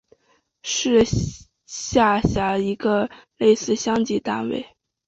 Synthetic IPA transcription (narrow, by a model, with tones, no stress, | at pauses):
ʂɻ̩˥˧ | ɕja˥˩ɕja˧˥i˧˥ɡə˧le˥˧ɪsɹ̩˥˩ɕjɑ˥ŋt͡ɕi˧˥t̪a̰˥˧nwḛ˥˩ɪ